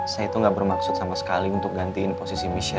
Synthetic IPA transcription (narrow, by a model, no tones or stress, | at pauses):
sajait̪uŋɡaʔbərmaksʊt̪samasə̥kaliunt̪ʊk̚ɡant̪iːnposisimiʃɛ